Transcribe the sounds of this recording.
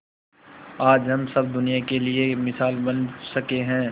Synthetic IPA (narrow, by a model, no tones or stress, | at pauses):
aːd͡ʒɦɐmsɐb̚d̪ʊnijakeliemɪsaːlbɐnsɐkeɦɛ̃ː